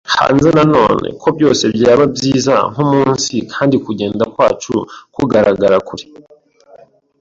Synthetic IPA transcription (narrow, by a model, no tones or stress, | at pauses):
ha̰ːnze̞nano̞̰ːne̞̰kʰo̞bjo̞ːse̞bjaːβabjiːzaŋ̥umuːnsikʰaːndikuɟe̞ːndakwaːt͡ʃukuɡaɾaɡaɾakuɾi